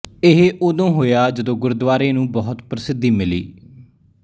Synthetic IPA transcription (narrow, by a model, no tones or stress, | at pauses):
ɪɦʔoːd̪õːɦoːjaːd͡ʒəd̪õːɡʊɾd̪ʋaːɾẽːnũːbɔːʊt̪pɾəsɪd̪iːmɪlḭː